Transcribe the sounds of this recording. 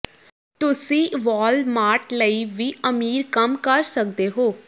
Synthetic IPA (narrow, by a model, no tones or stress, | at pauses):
t̪ʊsĩːʋɔːlmaːʈləiːʋiːəmiːɾkəmkəɾsək̚d̪eːɦoː